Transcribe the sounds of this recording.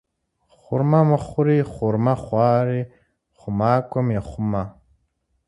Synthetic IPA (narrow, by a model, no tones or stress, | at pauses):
χʊɾmaməχʊɾiχʊɾmaχwʷaːɾi | χʊmaːkʷomeχʊma